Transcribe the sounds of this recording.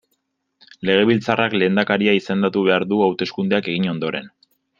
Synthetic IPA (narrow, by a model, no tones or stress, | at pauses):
le̞ɣ̞e̞β̞ilt͡sarakle̞ːnd̪akaɾiaise̞nd̪at̪uβ̞e̞aɾðuawt̪e̞skund̪e̞ake̞ɣ̞iɲo̞nd̪o̞ɾe̞̰n